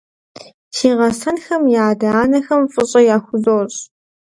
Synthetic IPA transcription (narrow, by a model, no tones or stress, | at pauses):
tʰiːʁɐsɐnxɐmjaːdɐaːnɐxɐmfʼɨɕʼɐjaːxʷʊzoːɕʼ